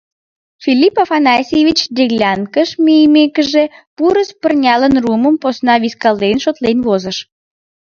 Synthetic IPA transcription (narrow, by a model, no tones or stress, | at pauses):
filʲipafɑnɑsʲevʲit͡ɕd̪eɣlʲɑnkəʃmejəmekəʒepuɾəspərnʲɑlənruməmposnɑβiskɑld̪enʃot̪lenβozəʃ